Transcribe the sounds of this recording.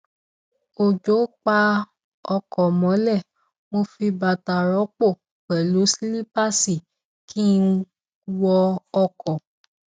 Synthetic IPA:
o˨d͡ʒo˨˦k͡pa˧ | ɔ˧kɔ˨mɔ̃˨˦lɛ˦˨ | mo˧fi˧ba˨ta˨ɾɔ˨˦k͡po˦˨ | k͡pɛ˨lu˨˦si˦li˦pa˦si˦˨ | kʰi˦ | wɔ˧ɔ˧kɔ˨

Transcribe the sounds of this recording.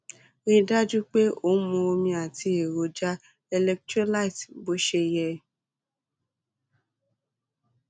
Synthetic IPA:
ɾĩ˦˧da˦d͡ʒu˦k͡pe˦o˦˨n̩˦mũ˧o˧mĩ˧a˨ti˧e˨ɾo˨˦d͡ʒa˦ | e˧lɛ˧k̚tɾo˦la˦i˨tbo˨˦ʃe˧jɛ˧˨

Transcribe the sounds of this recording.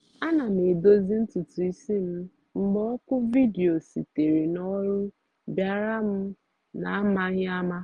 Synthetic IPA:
a˦na˨m˨e˨do˦zi˦n̩˦tu˨tu˨i˦si˦m̩˦ | ŋ͡m̩˦ɡ͡bɔ˦ɔ˦kʊ˦vi˦di˨o˨si˨te˨ɾi˨nɔ˦ɾʊ˦ | bja˨ɾa˦m̩˦ | na˨˦ma˦ɲ˦a˦ma˦

